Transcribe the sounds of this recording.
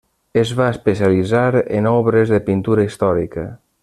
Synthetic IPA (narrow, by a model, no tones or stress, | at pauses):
əzβaespesialid͡zaɾḛnɔβɾəzðəpint̪uɾəist̪ɔɾḭkə